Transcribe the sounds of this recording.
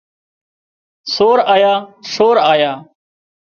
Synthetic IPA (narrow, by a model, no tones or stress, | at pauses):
soːɾaːjaːsoːɾaːjaː